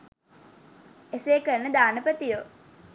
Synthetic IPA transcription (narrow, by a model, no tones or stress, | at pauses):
eseːkəɾnəd̪aːnəpət̪ijo